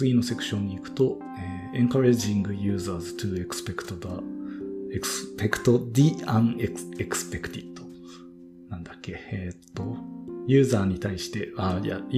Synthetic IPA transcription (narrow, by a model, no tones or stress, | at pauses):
ɨɡʲinːo̞se̞kɯ̟̥ɕõ̞ɲ̟ːiːkɯ̟̥t̪o̞ | eː | ẽ̞ŋkaɾeʑĩŋɡɯ̟jɯ̟ːzaːzɨt̪ɨe̞kɯ̥sɨ̥pe̞kɯ̥t̪od̪a | ekpe̞kɯ̟̥t̪o̞d̪iãŋeekɯ̥sɨ̥pe̞kɯ̥t̪it̪ːo̥ | nãnd̪akːe̞et̪ːo̞jɯ̟ːzaːɲ̟it̪aiɕi̥t̪e̞aja̰